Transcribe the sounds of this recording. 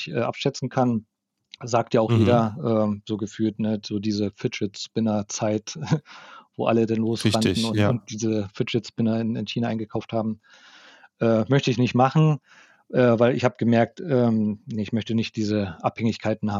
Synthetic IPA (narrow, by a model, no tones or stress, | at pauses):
çʔɛ̰ːʔa̰pʃɛt͡sn̩kʰan | zaːk̚tjaaʊxjeːɾɐʔɛːz̥oːɡəfyːltnəzoːdiːzəfɪɪt͡sb̥ɪnɐt͡saɪt | vo̰ːʔa̰lədanloːsandn̩ʊnʊntd̥iːzəfɪtɪt͡sb̥ɪnɐɪnɪnçiːnaʔaɪnɡəkʰaʊfthaːbm̩ | ʔɛːmœçtəɪçnɪçtmaχn̩ | ʔɛːvaɪlɪçhaːbəɡ̥əmɛɐk̚tʔɛːnəɪçmœçtənɪçt̚d̥iːzəʔaphɛŋɪçkʰaɪtn̩haːm